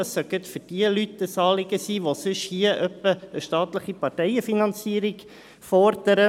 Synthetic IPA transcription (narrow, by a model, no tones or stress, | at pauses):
ɑsːœkət̪fʏɾd̥iəlytːəsɑːlɪɡəsiːʋosʏʃhiəʔœpːəəʃtɑːt̪ləχipɑtɛjəfinɑnt͡siːɾiɡ | fɔrd̪̥əɾə